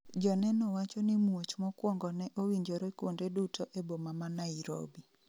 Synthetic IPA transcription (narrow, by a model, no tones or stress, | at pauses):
d͡ʒɔnɛnɔwat͡ʃɔnimuwot͡ʃmɔkwɔŋɡɔnɛʔowiɲd͡ʒoɾekwondedutʰoʔebomamanaiɾo̰bi